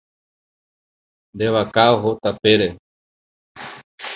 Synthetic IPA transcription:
nd̪eβakaoɦot̪apeɾe

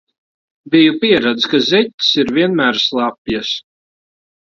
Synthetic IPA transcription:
bijupiɛɾad̪zkazɛt̪ʲsiɾviɛnmæːɾslˠɑpjas

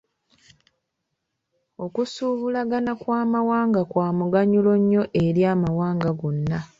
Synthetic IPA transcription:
o̞kusuːβulaɡanakwaːmawaːŋɡakwaːmuɡaɲulo̞ɲːo̞ʔe̞ɾjaːmawaːŋɡaɡonːa

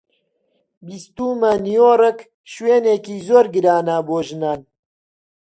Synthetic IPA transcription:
bist̪uːmɐnijoːrək | ʃweːneːkiːzoːɾɡɨɾaːnaboːʒɨnaːn

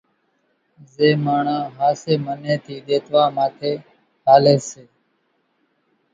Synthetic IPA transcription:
zeːmaːɳãːɦaːseːmənẽːt̪ʰiːɗ̪eːt̪ʋaːmaːt̪ʰeː | ɦaːleːseː

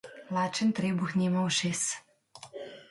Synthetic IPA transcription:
laːt͡ʃənt̪ɾeːbuxnʲiːmawʃeːs

